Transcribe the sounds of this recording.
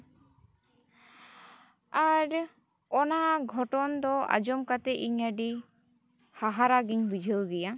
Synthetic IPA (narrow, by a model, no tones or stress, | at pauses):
aɾ | ɔnaɡʱɔʈɔnd̪ɔa̰d͡ʒɔmkat̪ɛʔiɲaɖi | haɦaɾaɡiɲbud͡ʒʱəwɡɛja